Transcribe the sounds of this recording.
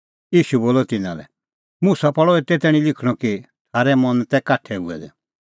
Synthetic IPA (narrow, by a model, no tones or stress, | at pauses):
iːʃuboːlɔt̪ɪna̰lɛ̰ | musapɔɭɔet̪ɛt̪ɛːɽ̃ĩlɪkʰɽ̃ɔki | t̪ʰaːɾɛmɔnt̪ɛkaʈʰɛṵɛ̰d̪ɛ